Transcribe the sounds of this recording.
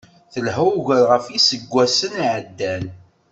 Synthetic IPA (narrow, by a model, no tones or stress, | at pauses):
θəlɦæwʝəɾʁəfisəɡʷːæsəniʕəd̪ːæn